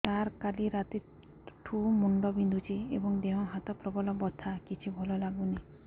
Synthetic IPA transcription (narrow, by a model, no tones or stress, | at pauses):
t̪aɾkaliɾat̪i | ʈʰumuɳɖɔbind̪ʱut͡ʃʰiḛbɔŋd̪eɦɔ̃ɦat̪ɔpɾɔbɔlɔbɔt̪ʰakit͡ʃʰibʱɔlɔlaɡuni